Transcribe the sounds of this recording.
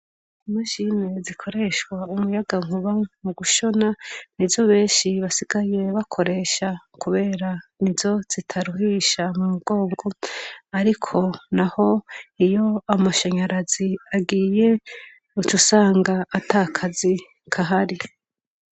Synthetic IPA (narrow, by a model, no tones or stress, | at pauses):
maʒinezikʰo̞ɾe̞ʃwaumujaɡaŋuβamuɡuʃo̞nanivjo̞βe̞ːnʃiβasiɡaje̞βakʰo̞ɾe̞ʃa | kuβe̞ːɾanivzo̞z̥itʰaɾuɦiːʃamumuɡ̥o̞ːŋɡo̞aɾikʰo̞naho̞ijo̞amaʃaɲaɾaziaɡiːje̞ | ut͡ʃusaːŋɡaːtʰakʰazi | kʰaɦaɾi